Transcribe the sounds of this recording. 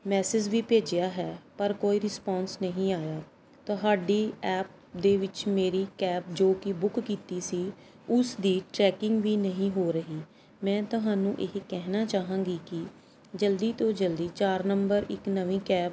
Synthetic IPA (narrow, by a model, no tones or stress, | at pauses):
mɛːsɪd͡ʒʋiːpeːd͡ʒɪjaːɦɛːpəɾkoːiːɾɪspɔːnsnəɦĩːaːjaː | t̪ʊɦaːɖiːɛːp̚ | d̪eːʋɪt͡ʃmeːɾiːkɛːp̚d͡ʒoːkɪbʊkkiːt̪iːsiː | ʊsd̪iːʈɾɛːkɪŋɡʋiːnəɦĩːɦoːɾəɦiː | mɛ̃ːt̪ʊɦaːnũːʔeɦkɛɦnaːt͡ʃaːɦãːŋɡiːkɪ | d͡ʒəld̪iːt̪õːd͡ʒəld̪iːt͡ʃaːɾnəmbəɾɪknəʋĩːkɛːp